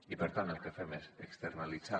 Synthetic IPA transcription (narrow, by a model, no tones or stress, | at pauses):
ipəɾt̪anəlˠkefɛmesekst̪əɾnalid͡za